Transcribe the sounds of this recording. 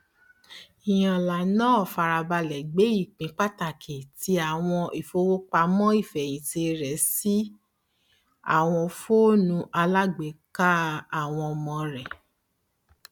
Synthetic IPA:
i˨j̃ã˨la˨nãː˦˨fa˧ɾa˧ba˧lɛ˨ɡ͡be˨˦i˦˨k͡pĩ˨˦k͡pa˦ta˦˨kʰe˨ti˧˦a˨w̃ɔ̃˧ʔi˨fo˧˦wo˦k͡pa˧mɔ̃˦i˦˨fɛ˨j̃ĩ˨˦te˧ɾɛ˨si˦ | a̰˦˨w̃ɔ̃˧fo˦nũ˧˦ʔa˧la˦ɡ͡be˨˦ka˦a˦˨w̃ɔ̃˧mɔ̃˧ɾɛ˨

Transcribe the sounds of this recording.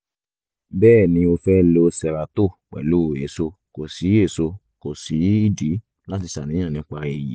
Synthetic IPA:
bɛː˦˨nĩ˧o˧fɛ˦lo˧sɛ˧ɾa˨to˦˨k͡pɛ̰˨lo˦˨e˨˦so˧ko˨si˨˦e˦˨so˧ | ko˨si˨˦i˦˨di˨˦ | la˦ti˧sa˨nĩ˨˦ã˦˨nĩ˨˦k͡pa˧e˨jḭ˨˦

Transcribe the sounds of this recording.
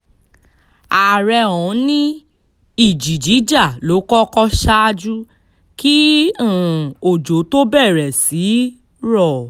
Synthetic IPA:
a˨ɾɛ˧ɔ̃˨˦nĩ˦ | i˦˨d͡ʒi˨d͡ʒi˨˦d͡ʒa˦˨lo˨˦kɔ˦kɔ˦ʃa˦˧d͡ʒu˦ | ki˦ũ˦˨o˨d͡ʒo˨˦to˦bɛ˦˨ɾɛ˨si˨˦ | ɾɔ˦˨

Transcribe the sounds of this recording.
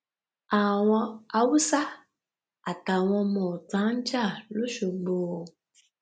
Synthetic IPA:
a˨w̃ɔ̃˧a˧wu˦sa˦ | a˨ta˨w̃ɔ̃˧mɔ̃˨tã˨˦n̩˦d͡ʒa˦˨lo˦ʃo˧ɡ͡boː˨

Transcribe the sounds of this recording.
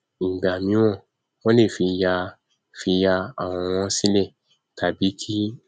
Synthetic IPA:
ŋ̩˨ɡ͡ba˨mĩ˨˦w̃ɔ̃˦˨ | wɔ̃˦le˦˨fi˧ja˧ | fi˧ja˧a˨w̃ɔ̃˧w̃ɔ̃˧˦si˦lɛ˦˨ | tʰa˨bi˨˦kʰi˦

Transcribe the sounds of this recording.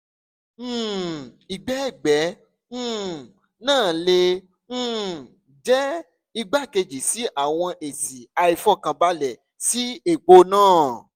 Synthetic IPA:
i˨ɡ͡bɛ˨˦i˦˨ɡ͡bɛ̃˨˦˨ | nãː˦˨lẽ˧˦˨ | d͡ʒɛ˦ | i˧ɡ͡ba˦˨ke˧d͡ʒi˨si˨˦ʔa˦˨w̃ɔ̃˧ʔe˨si˨a˧i˧fɔ˦˨kã˧ba˦lɛ˨ | si˨˦e˦˨ɡ͡bo˧nãː˦˨

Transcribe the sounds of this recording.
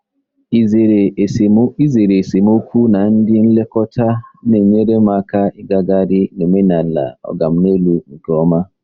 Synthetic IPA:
zɾi˦ze˨ɾe˨se˨mo˦kʰu˦na˨˦n̩˦dɪ˦n̩˦le˦kɔ˦tʰa˦ne˨ɲe˦ɾe˦ma˦ka˦i˦ɡa˨ɡa˦ɾi˦ne˨me˦na˨la̰˨ɔ̰˨ɡa˨m̩˨ne˦lu˨ŋ̩˨kɔ˨˦ma˦

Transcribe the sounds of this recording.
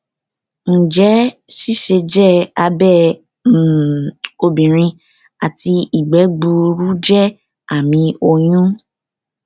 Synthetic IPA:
n̩˨d͡ʒɛ˨˦ʃi˦ʃe˧d͡ʒɛ˦˨a˧bɛ˦˨˦ | o˧bĩ˨ɾ̃ĩ˧ | a˨ti˧i˨ɡ͡bɛ˨˦ɡ͡bu˧ɾu˦d͡ʒɛ˦˨ | a˨mĩ˧o˧j̃ũ˦

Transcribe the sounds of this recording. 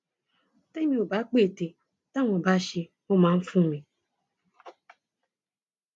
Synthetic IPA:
te˦mĩ˦o˨ba˨˦k͡pe˦˨te˨ | ta˦m˨o˨ba˨˦ʃi˧ | o˦mã˨˦m̩˦fũ˦˨mi˨

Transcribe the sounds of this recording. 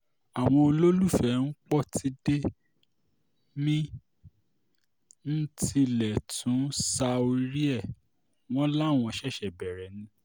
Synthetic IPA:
a˨w̃ɔ̃˧o˧lo˦lu˦˨fɛ˦˨n̩˦k͡pɔ˦˨tʰi˧de˦ | mĩ˦ | n̩˦ti˧lɛ˨tʰũ˨˦sa˧o˧ɾi˦ɛ˦˨ | w̃ɔ̃˦la˦˨w̃ɔ̃˧ʃɛ˦˨ʃɛ˨bɛ˨ɾɛ˨˦nĩ˨˦

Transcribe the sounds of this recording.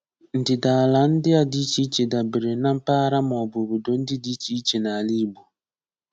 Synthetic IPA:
n̩˨dɪ˨da˨la˨n̩˦dɪ˦a˦di˦t͡ʃi˦t͡ʃe˨da˨be˨ɾe˨˦na˦m̩˦pa˦ɾa˦mɔ˨bʊ˨bʊ˨do˨n̩˦dɪ˦di˦t͡ʃi˦t͡ʃe˨na˨li˦˨bu˨

